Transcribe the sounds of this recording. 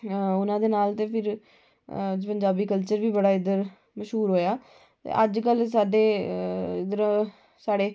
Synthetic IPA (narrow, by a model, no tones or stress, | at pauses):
ʊnãːd̪eːnaːlt̪eːpʰɪɾ | d͡ʒpəɲd͡ʒaːbiːkəlt͡ʃəɾʋiːbəɽaːɪd̪əɾ | məʃɦuːɾɦoːjaː | t̪ḛːʔəd͡ʒkəlsaːɖeːɪd̪əɾ | saːɽeː